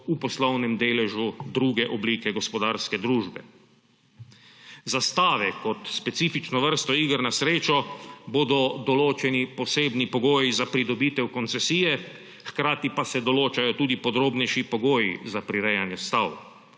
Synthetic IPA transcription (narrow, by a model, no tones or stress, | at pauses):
upɔslɔwnɛmd̪eːlɛʒud̪ɾuːɡɛʔɔbliːkɛɡɔspɔd̪aːɾskɛd̪ɾuːʒbɛ̰ | zast̪aːʋɛkɔt̪spɛt̪siːfit͡ʃnɔʋəɾst̪ɔiːɡəɾnasɾeːt͡ʃɔboːd̪ɔd̪ɔloːt͡ʃɛnipɔseːbnipɔɡoːjizapɾid̪ɔbiːt̪ɛwkɔnt̪sɛsiːjɛ | xkɾaːt̪ipasɛd̪ɔloːt͡ʃajɔt̪uːd̪ipɔd̪ɾoːbnɛjʃipɔɡoːjḭzapɾiɾɛjanjɛst̪aw